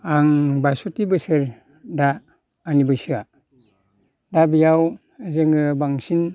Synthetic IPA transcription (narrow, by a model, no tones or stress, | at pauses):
aŋbajsotibɯsɯɾ | daː | nibɯsɯa | dabijaw | azɯŋɯbaŋsin